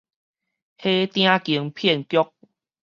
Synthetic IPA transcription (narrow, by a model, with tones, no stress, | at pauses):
he˦t̪j̃ã˦ki˨˩əŋpʰjɛ˥˨nkjɔ˦k̚